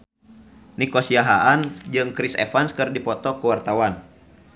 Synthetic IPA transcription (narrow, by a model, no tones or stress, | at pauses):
nikɔsiaɦaʔand͡ʒɨŋkɾisɛ̰fanskɨrdipɔt̪ɔkəwart̪awan